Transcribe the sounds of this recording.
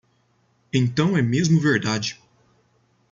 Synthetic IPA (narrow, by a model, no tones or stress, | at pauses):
ẽñt̪ɐ̃w̃ɛmezmʊveɾd̪ad͡ʒɪ